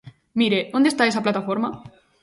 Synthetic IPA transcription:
miɾeond̪est̪ae̞saplat̪afo̞ɾma

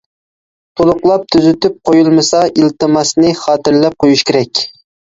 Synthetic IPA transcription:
t̪ʰolˠʊqlˠɑp̚t̪ʰyzyt̪ʰyp̚qʰojulˠmɨsɑʔilt̪ɨmɑsnɨχɑːt̪ɪɾlɛp̚qʰojuʃkʲʰeɾɛkʲ

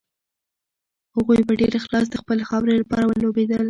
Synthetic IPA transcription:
haɣujbaɖeɾaxlɑs̬d̪əxpəlexɑwɾelapɑɾawəlobed̪əl

